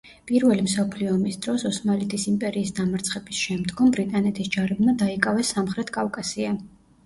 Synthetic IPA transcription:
pʼiɾvɛlimsɔpʰliɔːmisd̪ɾɔsɔsmalit̪ʰisimpʼɛɾiːsd̪amaɾt̪sʰχɛbisʃɛmd̪ɡɔmbɾit̪ʼanɛt̪ʰisd͡ʒaɾɛbmad̪aikʼavɛsːamχɾɛt̪ʰkʼavkʼasia

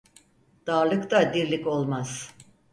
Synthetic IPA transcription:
d̪̥aːɾlˠɯkt̪ad̪iɾlʲiko̞lˠmaz̥

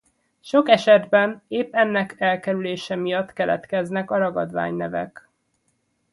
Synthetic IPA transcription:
ʃo̞kɛʃɛd̪bɛneːpːɛnːɛkɛlkɛɾyleːʃɛmijɒt̪kɛlɛ̰t̪kɛznɛkɒɾɒɡɒd̪ʋa̰ːɲnɛvɛ̰k

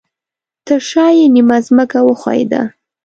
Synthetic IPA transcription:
t̪əʃɑjenimazməkawəxwɑ̰jd̪a̰

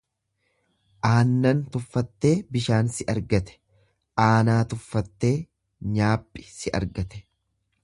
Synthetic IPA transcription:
ʔaːnːɐnt̪ʊfːɐt̪ːe̞ːbɪʃaːnsɪʔɐɾɡɐt̪ɛ̥ | ʔaːnaːt̪ʊfːɐt̪ːe̞ː | ɲaːpʼːɪ̥sɪʔɐ̰ɾɡɐt̪ɛ̥

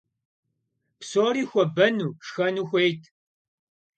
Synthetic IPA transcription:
psoːɾixʷɐbɐnuːʂxɐnuxʷejtʰ

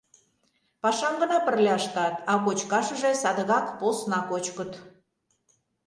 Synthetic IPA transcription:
pɑʃɑmɡə̆nɑpərlʲɑʃt̪ɑt̪ɑkot͡ɕkɑʃə̆ʒesɑd̪əɣɑkposnɑkot͡ɕkət̪

